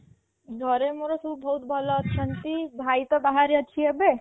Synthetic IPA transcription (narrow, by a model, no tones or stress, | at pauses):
ɡʱəɾemoɾosubʱɔɦut̪̚bʱəlɔtʰənt̪ibʱait̪ɔbaɦaɾiət͡ʃʰiebe